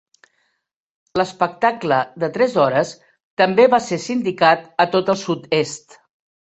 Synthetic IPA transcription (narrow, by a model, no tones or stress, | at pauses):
ləspək̚t̪akləd̪ət̪ɾɛzɔɾəs | t̪əmbeβasesind̪ikat̪ət̪ot̪əlˠsut̪est̪